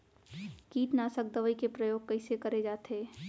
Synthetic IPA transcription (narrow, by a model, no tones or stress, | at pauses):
kiːʈnaːsək̚d̪əʋəikepɾəjoːɡ̚kəɪsekɐɾed͡ʒaːt̪ɦeː